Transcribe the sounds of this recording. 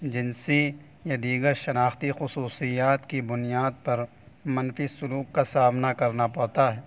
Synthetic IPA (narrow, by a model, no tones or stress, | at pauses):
d͡ʒɪnsi | jad̪iːɡəɾʃɐnaːxt̪ixʊsuːsijaːt̪kibʊnijaːd̪̚pɐɾ | mɐnfisʊluːkːasaːmnakɐɾnapɐɽt̪aɦɛː